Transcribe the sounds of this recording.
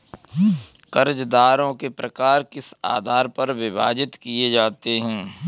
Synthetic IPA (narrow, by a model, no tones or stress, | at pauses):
kɐɾd͡ʒd̪aːɾõkepɾɐkaːɾkɪsa̰ːd̪ʱaːɾpɐɾʋɪba̰ːd͡ʒɪt̪kied͡ʒaːt̪eɦɛ̃ː